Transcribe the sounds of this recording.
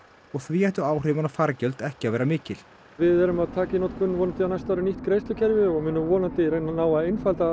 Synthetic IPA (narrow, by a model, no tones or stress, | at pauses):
ɔɣθviɛht̪ʏaːwr̥ɪːvanafaɾcœlt̪ɛhcɪaðvɛːɾamɪːcɪl̥ | vɪðɛɾʏmaðt̪ʰaːcɪnɔt̪kʏnvɔːnant̪ɪanajst̪aawɾɪniht̪kɾejst̪ʏcʰɛɾvɪɔɣmʏːnʏvɔːnant̪ɪɾejnanaːwaejnfalt̪a